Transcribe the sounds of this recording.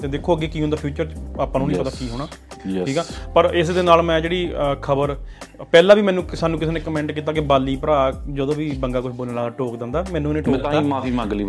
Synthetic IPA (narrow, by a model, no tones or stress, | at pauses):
t̪eːd̪eːkʰːoːəɡeːkiːɦnd̪aːpʰjuːt͡ʃəɾt͡ʃaːpːãːnũnĩːpət̪aːkiːɦoːɽ̃aːjʰiːkɛːpəɾɪsd̪eːnaːlmɛ̃ːd͡ʒeːɽiːkʰəbəɾpɛːlãːʋiːmɛ̃ːnũːkɪsaːnũːk̬ɪseːneːkəmɛ̃ːɳʈkiːt̪̬aːkɪbaːliːpəɾaːd͡ʒəd̪õːʋiːbəŋɡaːkʊt͡ʃʰboːlnãːlaːɡaːʈoːkd̪ɪ̃nd̪aːmɛːnũːneːʈõːt̪ãamaːfiːmãːɡliː